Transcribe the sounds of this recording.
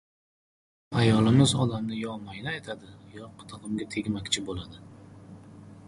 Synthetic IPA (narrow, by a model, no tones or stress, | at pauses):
ajɒlˠɪmɪzɒd̪amnɪjɒmajnajt̪ʰad̪ɪjɒqʰɨ̥t̪ʰɨʁɨmɡʲat̪ʰe̞ɡʲmakʲt͡ʃʰɪbolad̪ɪ